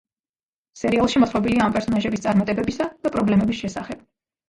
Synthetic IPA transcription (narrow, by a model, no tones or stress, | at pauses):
sɛɾialˠʃimɔt̪χɾɔbiliaːmpʼɛɾsɔnaʒɛbist̪sʼaɾmat̪ʼɛbɛbisad̪̥apʼɾɔblɛmɛbisʃɛsaχɛb̥̚